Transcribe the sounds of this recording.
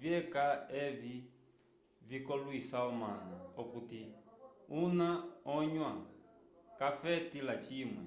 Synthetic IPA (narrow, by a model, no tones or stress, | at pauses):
vjɛkaɛvi | vikɔlwisaɔmanaɔkuti | unaɔɲwa | kafɛtilat͡ʃimwɛ̰